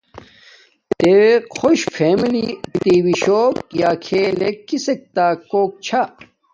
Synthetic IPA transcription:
t̪ewexʰoɕfʰeːmilit̪iwiɕoːpjaːkʰeːlekːisek̚t̪aːkoːk̚t͡ɕʰa

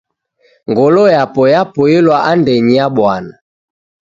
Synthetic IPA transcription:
ŋɡɔlɔjapɔjapɔelwaʔandɛɲiaɓwana

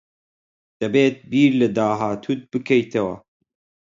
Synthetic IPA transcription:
d̪̥ɐbeːt̪̚biːɾlɨd̪aːɦaːt̪ʰut̪̚bɨkʰɐjt̪ʰɐwɐ̰

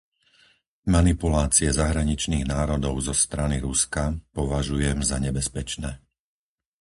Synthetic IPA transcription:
manipulaːt͡siɛzaɦɾaɲit͡ʃniːɣnaːɾɔd̪ɔʊzɔst̪ɾaniɾuskapɔʋaʒujɛmzaɲɛbɛspɛt͡ʃnɛː

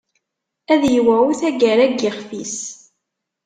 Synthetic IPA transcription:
æðjiwæuθæɡæɾæɡɪχfis

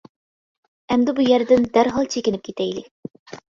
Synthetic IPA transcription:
ɛmd̪ɪbujæɾd̪ɪnd̪æɾɦɑlˠt͡ʃʰekʲinɪp̚kʲʰet̪ʰɛjlɪ

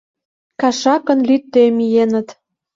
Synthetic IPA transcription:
kɑʃɑkə̆nlyt̪ːemijenə̆t̪

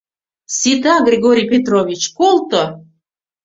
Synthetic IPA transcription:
sʲit̪aɡrʲeɡoɾʲijpʲet̪rovʲit͡ɕkolˠt̪ə

